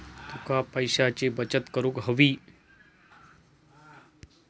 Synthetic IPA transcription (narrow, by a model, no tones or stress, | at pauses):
t̪ukapəjɕat͡ɕebət͡ɕət̪kəɾũkɦəʋiː